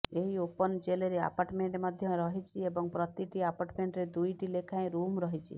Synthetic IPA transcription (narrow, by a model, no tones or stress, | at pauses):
eɦiopɔnt͡ʃeleɾea̰paɾʈmeɳʈmɔd̪ʱjɔ̃ɾɔɦit͡ʃʰiebɔŋpɾɔt̪iʈiapaɾʈmeɳʈɾed̪ujʈilekʰaẽɾumɾɔɦit͡ʃʰḭ